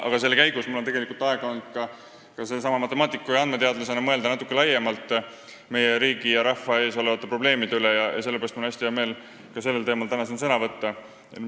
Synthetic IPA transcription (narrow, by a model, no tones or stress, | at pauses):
ʔɑ̰ɡ̥ɑse̞lːkæjɡ̥usmulːot̪e̞ɡe̞likult̪ɑeɡ̥ɑond̪̥kɑ | kɑsesɑmɑmɑt̪ːˑe̞mɑːt̪ˑikːˑujɑnd̪̚me̞t̪e̞ɑd̪̥lɑsenɑmɤe̞ld̪̥ɑnɑt̪ːˑukːˑelɑjemɑlt̪ˑː | me̞jeɾiːɡijɑɾɑfɑe̞ːso̞le̞vɑt̪ːepro̞ble̞ːmid̪eylejɑjɑ̰se̞lːeeɾɑst̪mɑnæsʲt̪iejɑme̞ːl | kɑse̞lːelt̪e̞ːmɑlt̪ænɑsensɤnɑvɤt̪ːɑ